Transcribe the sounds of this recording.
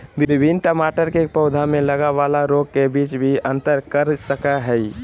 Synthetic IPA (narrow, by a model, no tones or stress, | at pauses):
bbɪbʱinʈəmaʈəɾkepəʊd̪ʱameləɡabalaɾoɡ̚kebit͡ʃbʱiə̃nt̪əɾkəɾsəkəɦəi